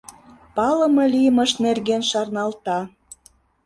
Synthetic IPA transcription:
pɑlə̆mɤlʲijəməʃnerɣenʃɑrnɑlt̪ɑ

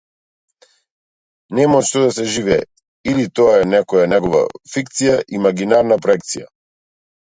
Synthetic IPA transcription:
nɛmaʃt̪ɔd̪asɛʒivɛː | ilit̪ɔaɛnɛkɔjanɛɡɔva̰fikt̪sijaʔimaɡinaɾnapɾɔɛkt̪sija̰

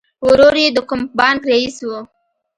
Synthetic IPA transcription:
wʊɾoɾjed̪əkʊmbɑnɡ̪ɾaiswu

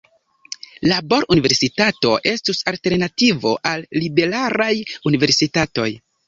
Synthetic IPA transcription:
labo̞ɾunive̞ɾsitato̞̰ʔe̞stusalte̞ɾnativo̞̰ʔalːibe̞ɾaɾajunive̞ɾsitato̞̰j

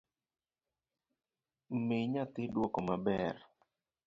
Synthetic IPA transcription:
meɲat̪ɪdwɔkɔmabɛr

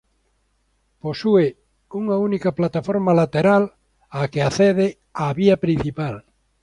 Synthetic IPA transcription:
posue | uŋaunikaplat̪afoɾmalat̪eɾal | akeaθeð̞e | aβiɐpɾĩn̟θipal

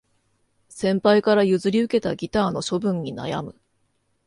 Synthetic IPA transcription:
sẽ̞mpaikaɾajɯ̟zɨɾʲiɯ̟ke̞t̪aɡʲit̪aːno̞ɕo̞bɯ̟̃ɲ̟ːina̰ja̰mɯ̟

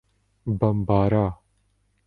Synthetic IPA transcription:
bɐmbaːɾaː

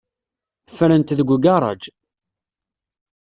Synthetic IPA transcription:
fɾənt̪ðəɡʷuɡɑɾˤɑ̰d͡ʒ

